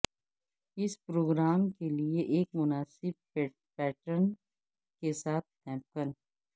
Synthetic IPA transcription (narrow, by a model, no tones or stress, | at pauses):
ɪspɾoːɡɾaːmkelieʔeːkmʊnaːsɪb̚ | pɛːʈən | kesaːt̪̚ʰkɛ̃ːmp̚kən